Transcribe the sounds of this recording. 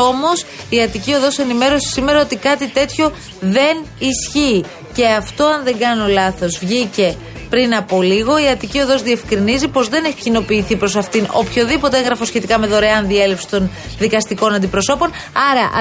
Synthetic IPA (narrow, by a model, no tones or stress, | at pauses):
o̞mo̞siɐt̪icio̞ðo̞se̞nime̞ɾo̞si̥sime̞ɾɐo̞t̪ikɐt̪it̪e̞t̪ço̞ | ðe̞nisçiː | ce̞ɐft̪o̞ɐnðe̞ɡɐnio̞lɐθo̞zvʝice̞ | pɾinɐpo̞liɣoiɐt̪icio̞ðo̞zðie̞fkɾinizipo̞zðe̞ne̞çicino̞piːθipɾo̞s̬ɐft̪ino̞̰pço̞ðipo̞t̪ee̞ŋɣɾɐfo̞sçe̞t̪ikɐme̞ðo̞ɾeɐnðie̞lefsi̥t̪o̞n | ðikɐst̪iko̞nɐnd̪ipɾo̞so̞po̞n | ɐɾɐʔ